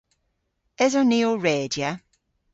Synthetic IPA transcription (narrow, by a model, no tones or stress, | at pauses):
ɛzɔniːoɹɛːdja